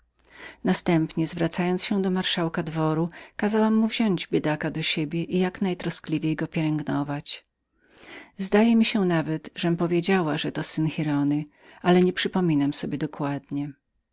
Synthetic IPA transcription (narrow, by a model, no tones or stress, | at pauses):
nast̪ɛmpɲɛzvɾat̪sajɔnt̪sɕɛd̪ɔmaɾʂawkad̪vɔɾukazawamːuvʑɔɲd͡ʑbʲjɛd̪akad̪ɔɕebʲjɛʔijaknajt̪ɾɔsklʲivʲjejɡɔpʲjɛlɛŋɡnɔvat͡ɕ | zd̪ajɛmʲiɕɛnavɛt̪ʐɛmpɔvʲjed͡ʑawaʐɛt̪ɔsɘnxʲiɾɔnɘ | alɛɲɛpʂɘpɔmʲinamsɔbʲjɛd̪ɔkwad̪ɲɛ